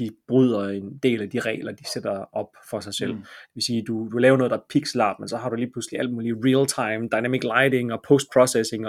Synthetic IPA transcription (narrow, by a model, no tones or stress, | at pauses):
d̥ib̥ʁyð̰ˠɐe̝nd̥e̝̰ːlæd̥iʁɛ̰ːlɐd̥ised̥ɐɒ̽b̥fɒ̽sɑ̈ɪsel̰d̥e̥̝ʋe̝siːd̥ud̥ulɛːʊɐno̽ðˠd̥ɑ̈pʰiɡ̥slɑ̰̈ːb̥mensɒ̽ɦɑ̈ɾuliːpʰlusliæl̰d̥̚muːliʁilt͡sʰɑ̈ɪmd̥ɑ̈ɪnæmiɡ̥lɑɪde̝ŋɒ̽pʰosd̥̚pʰʁɒsese̝ŋ